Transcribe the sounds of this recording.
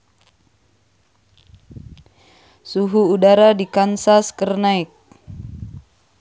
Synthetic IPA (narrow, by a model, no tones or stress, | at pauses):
suɦuːdaɾadikansaskərnaik̚